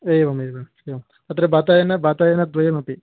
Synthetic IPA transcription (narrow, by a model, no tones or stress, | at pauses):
ejbɐmebɐmeɐm | ɐt̪ɾebaːt̪aːjɐnɐbaːt̪aːjɐnɐd̪ʋɐjɐmɐpːi